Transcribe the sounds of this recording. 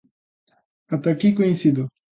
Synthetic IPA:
at̪akikoĩnsid̪o

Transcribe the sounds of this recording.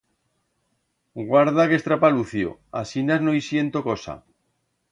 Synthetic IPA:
ɡwaɾð̞ake̞st̪ɾapaluθjo̰asinaznoisje̞nt̪okosa̰

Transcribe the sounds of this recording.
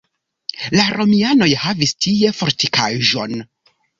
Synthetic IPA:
laɾʔo̞miano̞jhavistʰie̞fo̞ɾtikʰaʒo̞n

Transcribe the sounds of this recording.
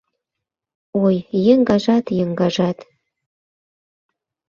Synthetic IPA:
ojjəŋɡɑʒɑt̪jəŋɡɑʒɑt̪

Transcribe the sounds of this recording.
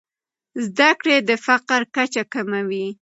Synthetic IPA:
zd̪akɽed̪əfaqɾkat͡ʃakamawi

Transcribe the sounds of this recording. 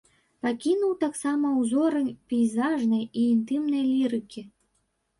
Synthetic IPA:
pɑkʲinuwt̪ɑksɑmɐuzoɾə̆nʲpʲejzɑʐnɨiːnt̪ɨmnelʲiɾɨkʲe

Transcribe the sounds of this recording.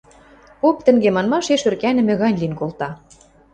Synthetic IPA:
pop̚t̪ɘ̆ŋɡemɑnmɑʃeʃørkænɘ̆mɘ̆ɣɑnʲlinkolt̪ɑ

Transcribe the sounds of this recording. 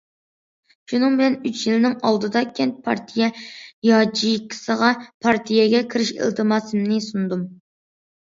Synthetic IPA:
ʃunɨŋbɪlɛnyt͡ʃʰjilɪnɪŋɑlˠd̪ɨd̪ɑkʲʰɛnt̪̚pʰɑɾt̪ʰijɛjɑt͡ʃijkʰʲːi̥səʁɑpʰɑɾt̪ʰijɛɡʲɛkʲʰiɾɪʃḭlˠt̪ʰɨmɑsɨmnɪsund̪um

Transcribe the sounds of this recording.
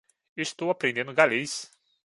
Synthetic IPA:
est̪owapɾẽnd̪ẽnd̪ʊɡalejs

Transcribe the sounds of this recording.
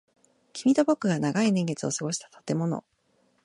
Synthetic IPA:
kʲʰimʲit̪o̞bo̞kːɯ̟ɡanaɡainẽ̞ŋɡe̞t͡sɨo̞sɨɡo̞ɕi̥t̪ḁt̪at̪e̞mo̞no̞̰

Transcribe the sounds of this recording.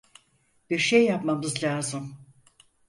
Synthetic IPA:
b̥iɾʃejːapmamɯzlʲaːzɯm

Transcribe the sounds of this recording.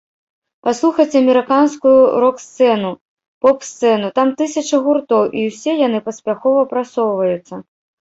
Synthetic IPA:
paslˠuxɐt͡sʲɐmʲɛɾɨkanskujuɾɔkst̪sɛnu | pɔpst̪sɛnut̪amt̪ɨsʲɐt͡ʂɐɣurt̪ɔwʔiwsʲɛjanɨpɐsʲpʲaxɔvɐpɾasɔwvɐjut̪sːɐ

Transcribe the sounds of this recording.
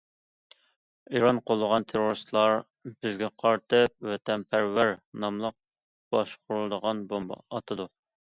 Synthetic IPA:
iɾɑnqʰolˠːəʁɑnt̪ʰeɾoɾɨst̪lˠɑɾ | b̥ɪzɡʲɛqʰɑɾt̪ʰɨp̚wɛt̪ʰɛmpʰæɾwæɾnɑmlˠəq̚ | b̥ɑʃqʰʊɾulˠd̪əʁɑnbombɑ̰ɑt̪ʰɨd̪u

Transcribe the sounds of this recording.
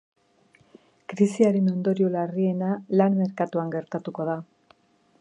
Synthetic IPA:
kɾisiaɾe̞no̞nd̪o̞ɾiolarie̞nalanme̞ɾkat̪uaŋɡe̞ɾt̪at̪uko̞ð̞a

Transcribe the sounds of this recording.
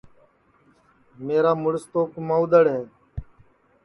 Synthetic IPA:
meːɾaːmʊɽst̪oːkmãːʊd̪əɽɦeː

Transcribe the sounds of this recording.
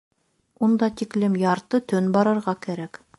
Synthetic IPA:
und̪ɑt̪iklɘmjɑɾt̪ɤt̪ɵnbɑɾɤ̆ɾʁɑkæɾæk

